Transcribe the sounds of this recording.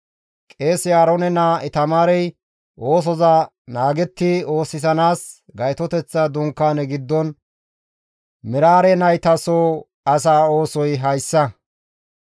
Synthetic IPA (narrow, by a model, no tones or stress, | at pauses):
kʼe̞ːsjaːɾonɛnaɛt̪ɐmaːɾɛj | ʔoːs̬ɔzɐ | naːɡɛt̪ːɪo̞ːsːɪsɐnaːs | ɡɐjt̪ɔt̪ɛt͡sːɐd̪ʊŋkːaːnɛɡɪd̪ːɔn | mɪɾaːɾɛnɐjt̪ɐsoː | ɐs̬aːo̞ːsɔjɦɐjsːɐ